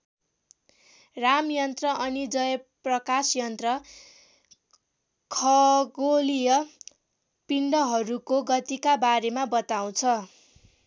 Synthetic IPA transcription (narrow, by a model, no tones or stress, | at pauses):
ramjʌnt̪rʌʔʌnid͡zʌjprʌkasjʌnt̪rʌ | kʰʌɡolijʌ | piɳɖʌɦʌɾukoɡʌt̪ikabaɾemabʌt̪aw̃t͡sʰʌ